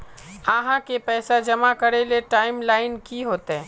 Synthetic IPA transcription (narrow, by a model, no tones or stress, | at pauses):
aːɦãkepɛːsad͡ʒɐmakɐɾeleʈaːɪmlaːɪnkiɦoːt̪ɛː